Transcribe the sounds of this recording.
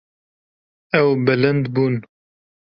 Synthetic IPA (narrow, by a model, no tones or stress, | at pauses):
ɛwbɛlɨnd̪buːn